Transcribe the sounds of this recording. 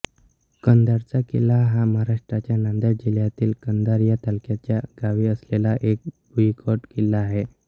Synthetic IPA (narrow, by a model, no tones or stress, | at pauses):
kənd̪aɾt͡sakilaɦaməɦaɾaʂʈɾat͡ɕjanãnd̪əɾd͡ʑiljat̪iːlkənd̪aɾjat̪alkjat͡ɕjaɡ̥aʋiːəslelaʔek̚buikʰɔʈkilaːɦe